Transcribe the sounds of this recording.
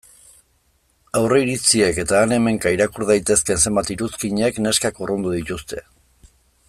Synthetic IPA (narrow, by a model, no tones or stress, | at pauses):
awreiɾit͡sie̞ke̞t̪aːne̞me̞ŋkaiɾakuɾðajt̪e̞ske̞nse̞mbat̪iɾuskiɲekne̞skakorond̪uðit̪ust̪ʰe̞